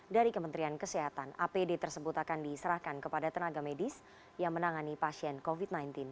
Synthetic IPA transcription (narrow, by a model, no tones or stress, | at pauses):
daɾikəmənt̪ɾiankəsɛɦat̪anʔapedet̪ərsəbʊt̪akandisəɾahkankəpadat̪ənaɡamedis | jaŋmənaŋanipasiɛnkofit̪̚najnt̪ɪn